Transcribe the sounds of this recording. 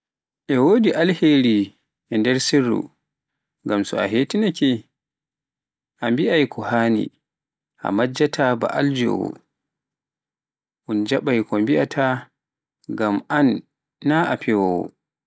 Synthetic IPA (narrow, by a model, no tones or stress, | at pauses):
ʔɛwoːdiʔalheɾi | ʔɛndɛɾsirːṵ | ŋɡamsɔ̰a̰ɦeːtinɛkɛ | ʔambiʔajkʰɔhaːnḭ | ʔa̰mad͡ʒːatʰaba̰ʔald͡ʒɔ̰wɔ̰ | ʔund͡ʒaɓajkɔmbiʔatʰa | ɡamanː | aʔapʰɛwɔwɔ̰